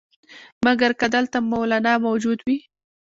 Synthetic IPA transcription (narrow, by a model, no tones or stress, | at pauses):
maɡaɾkad̪əlt̪amawlanɑmawd͡ʒud̪wi